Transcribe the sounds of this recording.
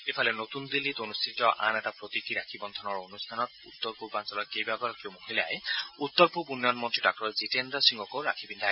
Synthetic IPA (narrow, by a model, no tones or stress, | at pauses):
epʰɔlenot̪und̪ilːit̪onust̪ʰit̪ɔʔa̰nɛtapɾot̪ikiɾakʰibɔnt̪ʰɔnɔɹonustʰanɔt̪̚ṵt̪ːɔɾpuɾbansɔlɔkebaɡɔɾkewmoɦila̰eut̪ːɔɾpubunːjɔnmɔnt̪ɾiɖak̚ʈɔɾzitendasiŋɡɔkoɾakʰibind̪ʱa